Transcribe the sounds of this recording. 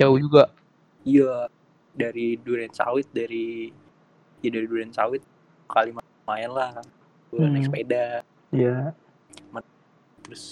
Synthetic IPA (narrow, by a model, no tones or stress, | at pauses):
t͡ʃawud͡ʒuɡa | ija | daɾiduɾɛnsa̰wɪt̪̚daɾi | jadaɾiduɾɛnsa̰wɪt̪̚ | kalim | aɛnlah | uanɛkspeda | ja | ma | t̪ɾʊs